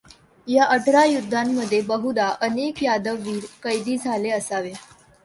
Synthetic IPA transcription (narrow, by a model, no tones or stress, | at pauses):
jaʔəʈɾajud̪ʱːamːəd̪ʱːjebəɦud̪aʔənekjad̪əʋːiːɾkəjd̪iːd͡zʱaleəsaʋe